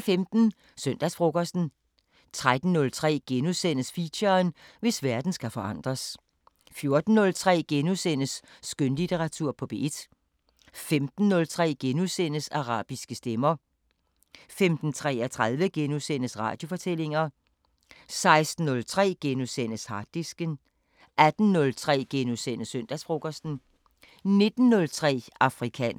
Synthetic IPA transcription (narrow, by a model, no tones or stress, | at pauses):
femd̥n̩ | søn̰d̥æsfʁoɡ̥ɐsd̥n̩ | t͡sʰʁad̥n̩ːɔ̽lt͡sʰʁɛ̰ːɡ̥enusen̰əsfiɕɐːnʋe̝sʋæɐd̥n̩sɡ̥æfɒ̽ʔɑ̈n̰d̥ʁɐs | fjo̝ɐd̥n̩ːɔ̽lt͡sʰʁɛ̰ːɡ̥enusen̰əsːɡ̥ønlit͡sʰeʁɑ̈t͡sʰuɐ̰pʰɒ̽b̥e̝d̥ | femd̥n̩ːɔ̽lt͡sʰʁɛ̰ːɡ̥enusen̰əsɑ̈ʁɑ̰̈ːb̥isɡ̥əsd̥emɐ | femd̥n̩t͡sʰʁɛ̰ːɐt͡sʰʁað̞ˠʋəɡ̥enusen̰əsʁɑ̰̈ːd̥jo̝fɒ̽t͡sʰel̰e̝ŋɐ | sɑ̈ɪsd̥n̩ːɔ̽lt͡sʰʁɛ̰ːɡ̥enusen̰əshɑ̈d̥isɡ̥ən | ʔæd̥n̩ːɔ̽lt͡sʰʁɛ̰ːɡ̥enusen̰əsøn̰d̥æsb̥ʁo̝ɡ̥ɐsd̥n̩ | ne̝d̥n̩ːɔ̽lt͡sʰʁɛ̰ːɑ̈fʁikʰɛ̰n